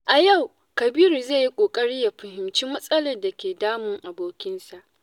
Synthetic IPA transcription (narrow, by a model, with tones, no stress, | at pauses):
ʔa˨ja˦˨w | kɐ˨biː˦ɾu˨zeː˦˨ji˦kʷʼoː˨kʼɐ˦ɽɪ˦ja˨ɸɐ˨hɪ˨mt͡ʃiː˦mɐ˦sʼɐ˦lɐ˨rda˨kʲeː˨daː˦mʊ˨ŋʔa˨boː˦kʲɪ˦nsa˨ʔ